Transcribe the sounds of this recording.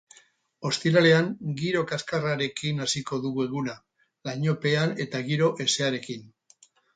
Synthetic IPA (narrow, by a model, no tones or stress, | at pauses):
o̞st̪iɾale̞aŋɡiɾo̞kaskaraɾe̞kinasiko̞ðuɣueɣuna | laɲo̞pe̞ane̞t̪aɣiɾo̞ʔe̞se̞aɾe̞kin